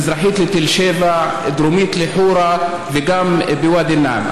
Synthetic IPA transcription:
zɾˤɑħiːt̪lɪt̪ɪlʃeːvaʕ | d̪ɾumiːt̪lɪħuːɾˤɑ | vɪɡambɪwaːd̪ɪnːa̰ʕma̰

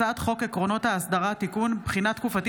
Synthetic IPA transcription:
at̪χo̞ke̞kʁo̞no̞t̪haːsd̪aʁat̪ikunbχinat̪kufat̪i

